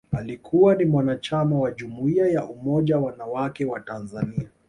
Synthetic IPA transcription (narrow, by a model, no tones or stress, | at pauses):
alikʰuwanimwanat͡ʃamawaʄumuiajaʔumɔʄawanawakɛwatanzania